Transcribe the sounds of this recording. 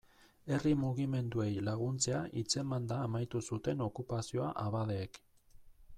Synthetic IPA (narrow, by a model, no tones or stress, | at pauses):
e̞rimuɣ̞ime̞nd̪ue̞jlaɣ̞unt͡se̞aʔit͡se̞mand̪aːmajt̪usut̪e̞no̞kupasio̞aʔaβaðeːk